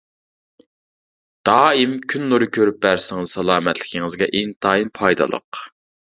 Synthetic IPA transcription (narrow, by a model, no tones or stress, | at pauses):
d̪̥ɑːimkʲʰynːuɾɨkʲʰøɾyp̚bæɾsɪŋɨzsɑlˠɑːmɛt̪ʰlɪ̥kʲʰɪŋɨzɡʲɛʔint̪ʰɑːjinpʰɑjd̪ɑ̰lˠə̰q